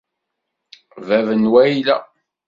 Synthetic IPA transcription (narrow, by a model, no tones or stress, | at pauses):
vævənwæilæ